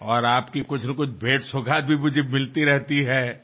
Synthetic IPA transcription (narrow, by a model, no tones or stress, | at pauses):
ɔːɾaːpkikʊt͡ʃʰnɐkʊt͡ʃʰbʱeːʈsʊɡʱaːt̪̚bʱimʊd͡ʒʱemɪlt̪iɾɛɦt̪iɦɛː